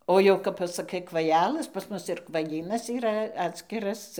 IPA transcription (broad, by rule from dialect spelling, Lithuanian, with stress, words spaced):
ˈoː jɛʊ kɐp pɐsɐˈkɐɪ kʋɐˈjælˠɘs pɐs ˈmʊs ɪr kʋɐˈjiːnɐs iːˈrɐ ˈɑːtʲsʲkʲɪrɐs